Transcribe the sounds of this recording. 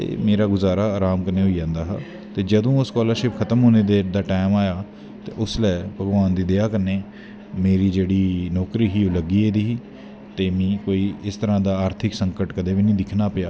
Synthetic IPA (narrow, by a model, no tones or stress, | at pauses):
t̪ḛːmeːɾaːɡʊzaːɾaːaːɾaːmkəɾneːɦoːiːd͡ʒãːnd̪aːɦa̰ː | t̪eːd͡ʒəd̪õːʊskɔːləɾʃɪpkʰət̪əmɦoːneːd̪ed̪aːʈaːɪmaːjaː | t̪ḛːʔʊslɛːbʱəɡʋaːnd̪iːd̪eːaːkəɾneː | meːɾiːd͡ʒeːɽiːnɔːkɾiːɦiːoləɡiːeːd̪iːɦiː | t̪eːmĩːkoːiːɪst̪əɾãːd̪aːaːɾt̪ʰɪksəŋkəʈkəd̪eːʋiːnĩːd̪ɪkʰnaːpɪjaː